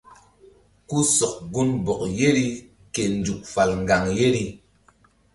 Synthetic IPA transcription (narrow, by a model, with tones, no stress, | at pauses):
ku˦sɔ˨k̚ɡu˦nbɔ˨kje˦ɾi˦ | ke˨n˨d͡ʒu˨k̚fa˨lŋ˨ɡa˨ŋje˦ɾi˦